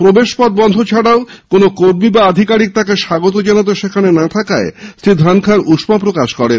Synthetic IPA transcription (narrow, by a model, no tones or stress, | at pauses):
pɾobeʃpɔd̪̚bɔnd̪ʱot͡ɕʰaɽaokonokoɾmibaad̪ʱikaɾik̚t̪akeʃaɡot̪̬od͡ʑanat̪̬eʃekʰanenat̪ʰakaesɾid̪ʱɾankʰaɾuʃmapɾokaʃkɔɾen